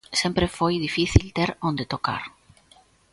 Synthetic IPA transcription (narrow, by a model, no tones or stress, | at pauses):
sẽmpɾefojðifiθilt̪eɾõnd̪et̪oka̰ɾ